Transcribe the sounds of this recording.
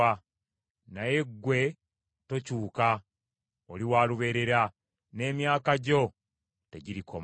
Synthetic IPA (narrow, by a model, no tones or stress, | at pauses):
a | naje̞ɡwe̞ | to̞cuːka | oliwaːluβe̞ːɾe̞ɾa | ne̞ːmjaːkaɟo̞ | teɟiɾikʰo̰m